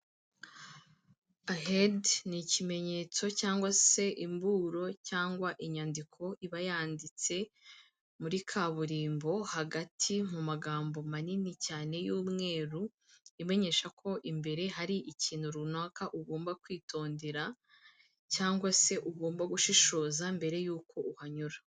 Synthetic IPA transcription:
aɦednicime̞ɲe̞t͡so̞caːŋɡwase̞ʔimbuːɾo̞caːŋɡwaʔiɲandikʰo̞ʔiβajaːndit͡se̞ | muɾikʰaβuɾiːmbo̞haɡatʰimumaɡaːmbo̞maninicaːne̞juːmŋe̞ːɾu | ime̞ɲe̞ʃakʰo̞ʔimbe̞ɾe̞ɦaɾiʔiciːnhuɾunaːkaʔuɡo̞ːmbakwiːtʰo̞ːnde̞ɾa | caːŋɡwase̞ʔuɡo̞ːmbaɡuʃiʃo̞ːzambe̞ɾe̞juːkʰo̞uhaɲuɾḁ

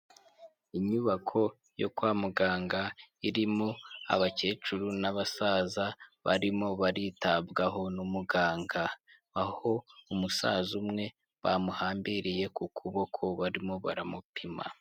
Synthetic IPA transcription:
iɲuβakʰo̞ | jo̰kwaːmuɡaːŋɡaiɾimo̞a̰βace̞ːt͡ʃuɾunaβasaːzaβa̰ɾimo̞βaɾitabɡaɦo̞numuɡaːŋɡaː | ho̞umusa̰zumŋe̞ | βa̰muhaːmbiɾije̞kukʰuβo̞kʰoβaɾimo̞βa̰ɾamupʰima̰

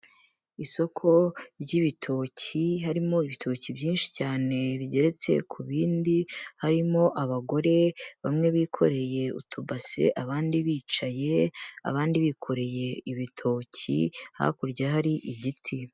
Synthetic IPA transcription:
iso̞kʰo̞ɾɟiβitʰo̞ːciɦaɾimo̞iβitʰoːcibjiːnʃi̥caːneβiɟe̞ɾe̞t͡se̞̰kʰuβiːndihaɾimo̞ʔaβaɡo̞ɾe̞βamŋe̞βiːkʰo̞̰ɾe̞je̞ṵtʰubase̞̰ʔaβaːndiβiːt͡ʃaje̞a̰βaːndiβikʰo̞ɾe̞je̞iβitʰo̞ːcḭha̰kuɾɟaɦaɾiʔiɟitʰi

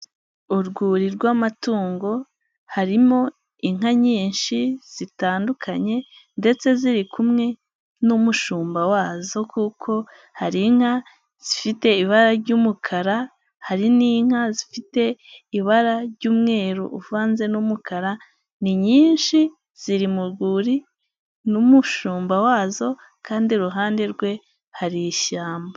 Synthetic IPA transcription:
uɾɡuːɾiɾɡwamatuːŋɡo̞ | haɾimo̞ | iŋ̥aɲiːnʃiz̥itaːndukʰaɲe̞ | nde̞t͡se̞ziɾikʰumŋe̞ | numuʃuːmbawaːzo̞kʰukʰo̞ | haɾiŋ̥ha | z̥ifite̞iβaɾaɾɟuːmukʰaɾa | haɾiniːŋ̥azifite̞iβaɾaɾɟuːmŋe̞ːɾṵʔuvaːnze̞numukʰaɾa | niɲiːnʃi | z̥iɾimuɾɡuːɾi | numuʃuːmbawaːzo̞ | kaːndiɾuɦaːnde̞ɾɡwe̞ | haɾiʃaːmba

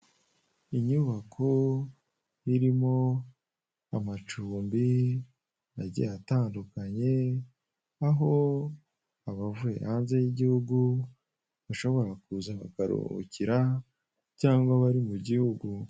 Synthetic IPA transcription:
iɲuβakʰo | iɾimo̞ | amat͡ʃuːmbi | aɟḛjataːndukaɲe̞ | aɦo̞ | aβavue̞̰haːnze̞jiɟihuɡu | βaʃo̞βo̞ɾakuzaβa̰kaɾo̰ciɾa | caːŋɡwaβaɾimuɟihuɡu

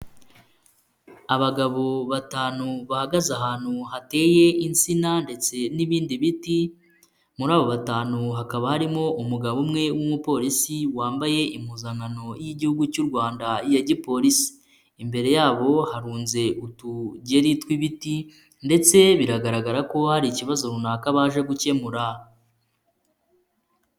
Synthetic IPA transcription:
aβaɡaβo̞βataːnuβahaɡazaɦaːn̥huhate̞je̞ʔint͡sinande̞t͡se̞niβiːndiβiti | muɾaːβo̞βataːnuɦakaβahaɾimo̞ʔumuɡaβumŋe̞wumupo̞ɾisiwaːmbaje̞ʔimuzaŋano̞jiɟihuɡucuɾɡwaːndaijaɟipo̞ɾisi̥ː | mbe̞ɾe̞jaːβo̞haɾuːnze̞ʔutuɟeɾitkwiβiti | nde̞t͡se̞βiɾaɡaɾaɡaɾako̞haɾiciβazo̞ɾunakaβaːʒe̞ɡuce̞muɾa

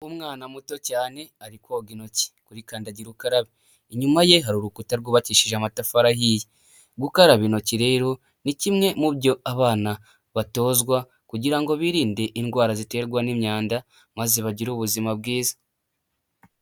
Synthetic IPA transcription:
umŋaːnamuto̞caːne̞aɾikwoɡino̞ci̥kuɾikaːndaɟiɾukaɾaβi | iɲumaje̞ɦaɾuɾukutaɾɡoβaciʃiʒamatafaɾaɦije | ɡukaɾaβino̞ciɾe̞ːɾo̞ | nicimŋe̞mubɟo̞aβaːna | βato̞ːzɡwa | kuɟiɾaŋɡo̞βiːɾiːnde̞ʔinɡwaːɾazite̞ːɾɡwanimɲaːnda | maze̞βaɟiɾuːβuzimab̚ɡiːzḁ

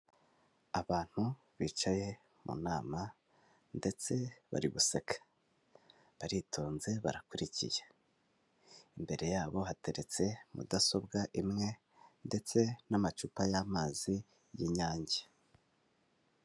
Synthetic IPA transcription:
aβaːn̥hu | βit͡ʃaje̞ | mṵnaːma | nde̞t͡se̞βa̰ɾiβuse̞kʰḁ | βaɾitʰo̞ːnze̞βa̰ɾakuɾicḭje | imbe̞ɾe̞jaːβo̞ɦate̞ɾe̞t͡se̞mṵdaso̞bɡaʔimŋe̞ | nde̞t͡se̞namat͡ʃupajaːmaːzi | jiɲaːɲɟe̥

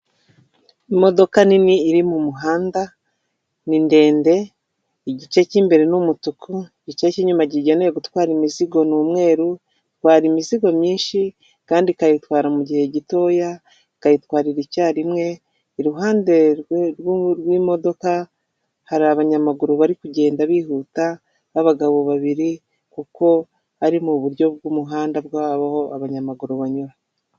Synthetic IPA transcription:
imo̞do̞kaniniːɾimumuɦaːnda | ninde̞ːnde̞ | iɟit͡ʃe̞ciːmbe̞ɾe̞numutukʰuiɟit͡ʃe̞ciɲumaɟiɟenejeɡutwaːɾimiziɡo̞nuːmŋe̞ːɾu | twaːɾimiziɡo̞mɲiːnʃi | kaːndikajitwaːɾamuɟihe̞ɟito̞ːja | kajitwaːɾiɾicaːɾimŋe̞ː | ɾuɦaːnde̞ɾɾwimo̞do̞ka | haɾiaβaɲamaɡuɾuβaɾikuɟe̞ːndaβiːhuta | βaβaɡaβo̞βaβiɾi | kuko̞ | aɾimuβuɾjo̞b̚ɡuːmuɦaːndabɡwaβaho̞aβaɲamaɡuɾuβaɲuɾa

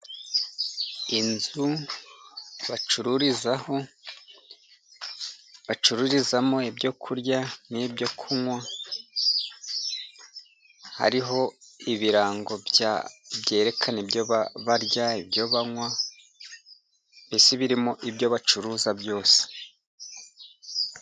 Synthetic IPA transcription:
inzu | βat͡ʃuɾuɾizaho̞ | βat͡ʃuɾuɾizamo̞ibjo̞kʰuɾjanibjo̞kʰumwa | ha̰ɾiɦo̞iβiɾaːŋɡo̞bja̰bɟe̞ːɾe̞kʰanebjoβaβaɾjaibjo̞βaŋwa | bisiβiɾimoʔibjo̞βat͡ʃuɾuzabjo̞ːse̥

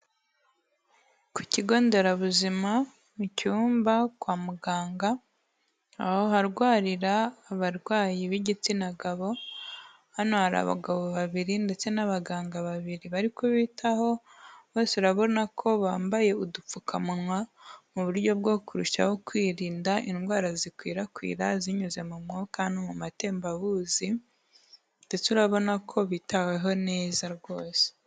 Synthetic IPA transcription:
ku̥ciɡo̞ːnde̞ɾaβuzima | mucuːmbakwaːmuɡaːŋɡa | ahoɦaɾɡwaːɾiɾaːβaɾɡwaːjiβiɟit͡sinaɡaβo̞ | hanohaɾa̰βa̰ɡaβo̞βaβiɾinde̞t͡se̞naβaɡaːŋɡaβaβiɾiβaɾikoβiːtʰaho̞ | βoːseuɾaβo̞nakʰo̞βaːmbaje̞udufukʰamunwamuβuɾjo̞bɡo̞kuɾuʃa̰ho̞kwiːɾiːndaʔinɡwaːɾazikwḭːɾakwḭːɾaziɲuze̞mumŋokanomumate̞ːmbaβuːzi | ndet͡suɾaβo̞nakʰo̞βitaweɦo̞neːzaɾɡo̞ːse̥

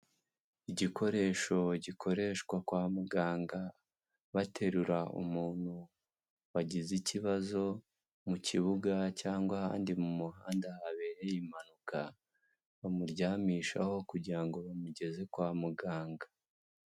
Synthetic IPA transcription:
iɟiko̞ɾe̞ːʃo̞ɟikʰo̞ɾe̞ːʃkwakwaːmuɡaːŋɡa | βatʰe̞ɾuɾaṵmuːn̥hu | waɟiziciβazo̞ | mucʰiβuɡacaːŋɡwaha̰ːndimumuɦaːndahaβeɾejimanuka | βamuɾɟaːmiːʃa̰ho̞kuɾɟiɾaŋɡo̞βamuɟe̞ze̞kwaːmuɡaːŋɡa

